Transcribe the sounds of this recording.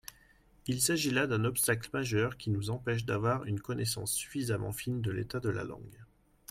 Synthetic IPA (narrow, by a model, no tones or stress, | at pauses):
ilsaʒilad̪ɛ̃nɔpst̪akləmaʒœʁkʲinuzɑ̃pɛʃ̬d̪avwaʁynkɔnesɑ̰̃sːy̥fizamɑ̰̃find̪əlḛt̪ad̪əla̰lɑ̰̃ɡ